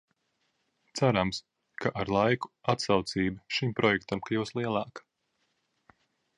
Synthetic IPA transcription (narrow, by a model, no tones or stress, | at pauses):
t̪sæɾams | kaʔaɾlˠajku̥at̪sawt̪siːbaʃimpɾɔjɛkt̪amkajuwslˠiɛlˠɑːk